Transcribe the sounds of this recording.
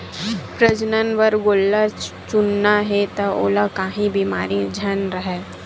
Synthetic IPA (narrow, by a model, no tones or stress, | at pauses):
pɾəd͡ʒnənʋɐɾɡoːlːa | t͡ʃʊnːaɦet̪ao̰ːlakaːɦĩbimaːɾid͡ʒʱɐnɾɐɦɛː